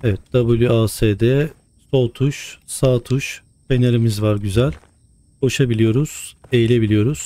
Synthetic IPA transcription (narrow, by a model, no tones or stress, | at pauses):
evɛt̪̚d̪̥abulʲjyaːseːd̪ɛ | so̞lˠt̪ʰuʃsaːt̪ʰuʃ | fe̞neɾimizvaɾɟyzælʲ | ho̞ʃabilʲijo̞ɾuz̥ejilʲe̞bilʲijo̞ɾuz̥